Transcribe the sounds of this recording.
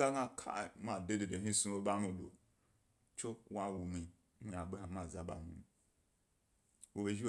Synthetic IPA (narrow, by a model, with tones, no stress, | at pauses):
a˦ɡa˦kʰa̰˦˨˦ma˨de˦de˨de˨ɦi˦su˦o˦ba˦mu˨do̰˨ | t͡ʃʊ˦wa˦˨wu˨mi˨˦ | i˦a˨ɡ͡be˦ha˨m˦a˨za˨ba̰˨mṵ˦˨ | wo˨be˨d͡ʒi˦